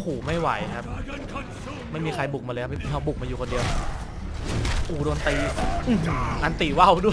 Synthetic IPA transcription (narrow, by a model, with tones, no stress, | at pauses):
kʰuː˨˩˦ma˥˩jwa̰˨˩˦jkʰa˦˥p̚ | ma˥˩jmiː˧kʰa˧jbu˨˩k̚ma˧lɤː˧kʰa˦˥˩pu˧˦ɦa˧˩wbu˨˩k̚maː˧juː˨˩kʰo˧ndi˧əwa˦˥ | ʔuː˨˩doː˧nt̪iː˧ʔɯː˧˩ʔa˧nt̪iː˨˩wa˥˩wdu˥˩